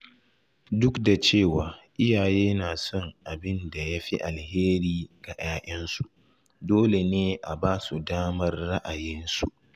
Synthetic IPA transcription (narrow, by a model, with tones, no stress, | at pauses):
dʊ˦kda˨t͡ʃeː˦˨waː˨ʔɪ˦jaː˨jeː˦naː˨sɔ˦ŋʔa˨bɪ˦nda˨ja˦ɸi˦ʔa˨lheː˦ɾiː˦ɡ̥a˨j̰aː˦ʔɛ˦nsu˨ʔ | doː˦le˨neː˦ʔa˨baː˦su˨daː˦mɐ˦rːa˦ʔa˨jɪ˦nsṵ˨ʔ